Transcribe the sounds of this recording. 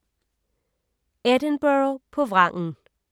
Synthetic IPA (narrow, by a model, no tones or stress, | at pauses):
ed̥ənb̥øpʰɒ̽ʋʁɑ̈ŋ̰n̩